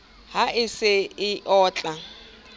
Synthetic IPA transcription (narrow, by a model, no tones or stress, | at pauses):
ɦaɪsɪɪʔɔːt͡ɬʼa